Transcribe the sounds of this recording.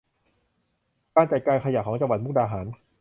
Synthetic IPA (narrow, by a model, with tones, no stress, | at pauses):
kaː˧nt͡ɕa˨˩t̪̚kaː˧nkʰa˧ja˨˩kʰɔː˩˦ŋt͡ɕa˧ŋwa˨˩t̪̚mu˥˩k̚daː˧ɦaː˩˦n